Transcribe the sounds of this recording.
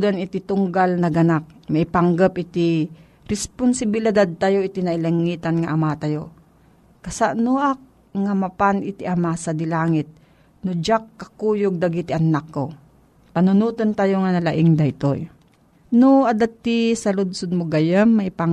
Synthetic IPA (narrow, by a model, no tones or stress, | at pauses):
d̪anɪt̪it̪ʊŋɡalnɐɡɐnak̚mɐʔɪpaŋɡapʔɪt̪i | ɾɛspʊnsɪbɪlɪd̪ad̪̚t̪ajoʔɪt̪inɐʔɪlɐŋiːt̪anŋaʔamat̪ajo | kɐsaʔnʊʔak̚ | ŋamapanʔɪt̪iʔɐmasad̪ɪlaːŋɪt̪̚ | nʊd͡ʒakːɐkuːjoɡ̚d̪aɡit̪ɪʔɐnakːo | pɐnʊnuːt̪ont̪ajoŋanɐlaʔɪŋd̪ɐt̪o̰j | nʊʔɐd̪at̪ːisɐlʊd̪sʊd̪̚mʊɡajəmːɐʔɪpaŋ